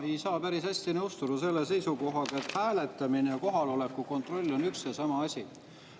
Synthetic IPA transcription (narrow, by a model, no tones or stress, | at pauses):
e̞jsɑːpæɾishæsʲt̪inɤwst̪ud̪use̞lːe̞s̬e̞jsuko̞ɦɑɡ̥ɑe̞t̪hæːle̞t̪ːˑɑminejɑko̞ɦɑlo̞le̞kːˑuko̞nt̪ˑro̞lʲːo̞nyksesɑmɑɑsʲi